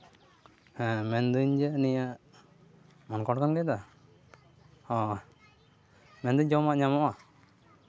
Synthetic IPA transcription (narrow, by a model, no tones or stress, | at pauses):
hɛ̃mɛnd̪ɯɲd͡ʒɛnijaʔ | mɔnkɔʈkanɡɛd̪a | hɔ̃ | mɛnd̪ɨɲd͡ʒɔmaʔɲamɔʔa